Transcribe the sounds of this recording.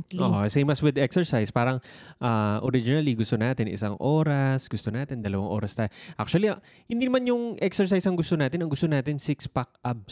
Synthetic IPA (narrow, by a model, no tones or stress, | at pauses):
oʔosɛjmɐswɪd̪ɛksɛɹsajspaːɾɐŋʔaʔoɾɪd͡ʒɪnɐliɡʊst̪onaːt̪ɪnʔɪ̰saŋʔoːɾɐsɡʊst̪onaːt̪ɪnd̪ɐlɐwaŋʔo̞ːɾɐst̪aʔak̚t͡ʃɐliɐ | hɪnd̪inɐmanjʊŋʔɛksɛɹsajsɐŋɡʊst̪onaːt̪ɪnɐŋɡʊst̪onaːt̪ɪnsɪkspak̚ʔab̚s